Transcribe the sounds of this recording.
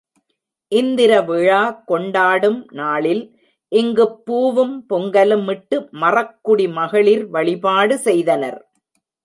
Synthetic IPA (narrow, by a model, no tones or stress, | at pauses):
ʔɪnd̪ɪɾɐʋɪɻaːkɔɳɖaːɽɯmnaːɭɪl | ʔɪŋɡɯpːuːʋɯmpɔŋɡɐlɯmːɪʈːɯmɐrɐkːʊɽimɐɣɐɭɪɾʋɐɭɪpaːɽɯsɛjðɐnɐ̰ɾ